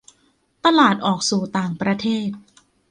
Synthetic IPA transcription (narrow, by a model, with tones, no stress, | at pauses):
t̪a˧laː˨˩t̪̚ʔɔː˨˩k̚suː˨˩t̪aː˨˩ŋpɾa˧t̪ʰeː˥˩t̪̚